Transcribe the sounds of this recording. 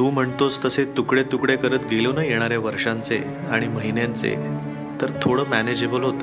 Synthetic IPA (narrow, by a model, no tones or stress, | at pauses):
t̪ũːm̤əɳt̪ot͡st̪əset̪ukɽet̪ukɽekəɾət̪ɡelonəjeɽ̃aɾjaʋəɾʂãnt͡se | aɽ̃iməɦinjãnt͡sḛ | t̪əɾt̪ʰoɽəːmæned͡ʑebəlɦot̪ə